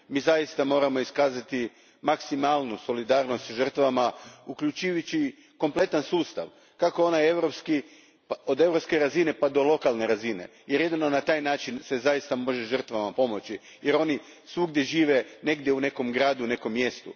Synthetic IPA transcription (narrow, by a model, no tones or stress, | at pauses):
miːzajist̪amo̞ːɾamo̞iskaːzat̪i | maksimalˠnuso̞lid̪aːɾno̞st̪sʒr̩t̪ʋamaukʎut͡ʃiːʋit͡ʃi | ko̞mple̞t̪ansuːst̪a̰ʋ | kako̞o̞naje̞ʋɾo̞pski | pod̪e̞ʋɾo̞pskeɾazine̞pad̪o̞lo̞kalne̞ɾazine̞̰ | jeɾjed̪inonat̪aːjnaːt͡ʃinse̞zajist̪amo̞ʒeʒər̩t̪ʋamapo̞mo̞t͡ʃi | je̞ɾo̞ni | suɡd̪ʲje̞ʒiːʋe̞ne̞ɡd̪jeune̞ko̞mɡɾaːd̪une̞ko̞mːje̞st̪ṵ